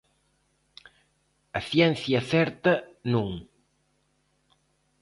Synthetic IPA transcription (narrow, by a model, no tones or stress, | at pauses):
ɐθjɛn̟θjɐθɛɾt̪ɐnũŋ